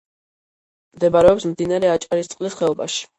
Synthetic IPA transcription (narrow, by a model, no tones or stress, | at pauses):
md̪ɛbaɾɛɔpsmd̪inaɾɛat͡ʃʼaɾist̪sʼqʼlisχɛɔba̰ʃi̥